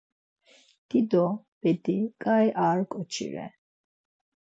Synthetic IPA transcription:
d̪̥id̪ɔ | b̥ɛd̪ikʼaɛʔaːɾkʼɔt͡ʃʰḭɾɛ̰

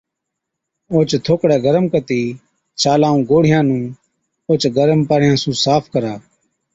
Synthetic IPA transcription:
oːt͡ʃt̪ʰoːkɽɛːɡəɾəmkət̪iː | t͡ʃaːlaːũːɡoːɽ̤ɪjãːnũː | oːt͡ʃɡəɾəmpaɽɪjãːsũːsaːpʰkəɾaː

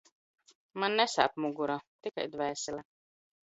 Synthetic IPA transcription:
manːɛsa̰ːpmuɡuɾat̪ika̰jd̪væːsila

